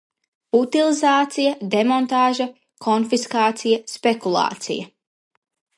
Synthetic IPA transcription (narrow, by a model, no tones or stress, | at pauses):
ut̪ilˠizaːt̪sijɐd̪emɔnt̪aːʒɐ | kʰɔnfiskaːt̪sijɐspekulˠɑ̰ːt̪sḭjɐ